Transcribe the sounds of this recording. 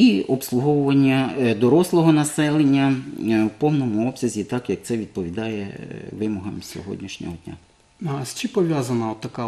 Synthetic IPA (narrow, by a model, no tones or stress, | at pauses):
iʔɔpslˠʊɦɔwʊʋɐnʲːɐd̪ɔɾɔslˠɔɦɔnɐsɛlˠenʲːɐwpɔwnɔmʊɔbsʲɐzʲit̪ɑkjɐk̚t̪sɛʋʲid̪̚pɔʋʲid̪ɑjɛ̰ʋɪmɔɦɐmsʲɔ̰ɦɔ̰dʲnʲiʃnʲɔ̰ɦɔd̪ʲnʲa̰ | ɐst͡ʃɪpɔʋʲjazɐnɐɔt̪ːɐka